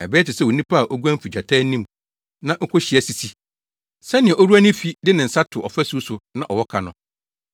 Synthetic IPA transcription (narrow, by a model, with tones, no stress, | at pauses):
æ˨bɛː˦tɪ˨sɛ˦˨wo˨nĩ˦pʰa˦a˨ʔo˦ɡu˦æ̃˦m̩˦fi˨d͡ʑᶣa˨tʰaː˦nĩ˦m | nã˦ŋ̩˦kʰʊ˦ɕɪ˨ɛ˦si˨si˦ | sɛ˦nɪ̃˨ɛ˨o˦ɾu˦æ˦nɪ̃˦fi˦dɪ˦nɪ̃˨n̩˨sa˦tʰʊ˨ʔɔ̰˨fæ˦su˦sʊ˨nã˦ʔɔ˨wɔ˦kʰa˨nʊ̃˨